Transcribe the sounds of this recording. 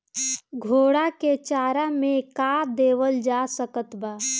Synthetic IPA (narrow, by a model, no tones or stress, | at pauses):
ɡʱoːɽaket͡ʃaːɾamẽkaːd̪eːwəld͡ʒaːsəkət̪baː